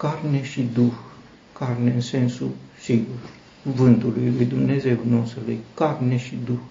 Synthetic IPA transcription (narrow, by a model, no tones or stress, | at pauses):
karneʃid̪ux | karneɨnsensusiɡur | kuvɨnt̪ulujlujd̪umne̞ze̞unost̪ɾulujkarneʃid̪ux